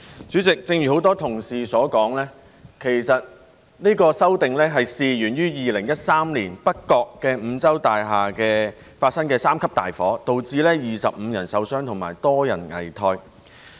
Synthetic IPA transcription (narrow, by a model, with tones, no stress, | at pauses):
t͡syː˨˥t͡sɪ˨k̚t͡sɪ˧ŋjyː˨˩ho˨˥wt̪ɔː˥t̪ʰʊ˨˩ŋsiː˨sɔː˨˥kɔː˨˥ŋlɛː˥ | kʰe˨˩jsɐ˨t̚ | niː˥kɔː˧sɐ˥wt̪ɪ˨ŋlɛː˥ɦɐ˨jsiː˨˧jyː˨˩njyː˥jiː˨lɪ˨˩ŋjɐ˥t̚saː˥mliː˨˩npɐ˥t̚kːɔː˧kːɛː˧m̩ː˨˧t͡sɐ˥wt̪aː˨jɦaː˨kɛː˧ | faː˧t̚sɐ˥nkɛː˧saː˥mkʰɐ˥p̚t̪aː˨˩jfɔː˨˥t̪o˨wt͡siː˧lɛː˥jiː˨sɐ˨p̚m̩ː˨˧jɐ˨˩nsɐ˨˧wsœː˥ŋt̪ʰʊ˨˩ma̰ː˨˩jt̪ɔː˥jɐ˨˩nŋɐ̰˨˩jt̪ʰɔː˧j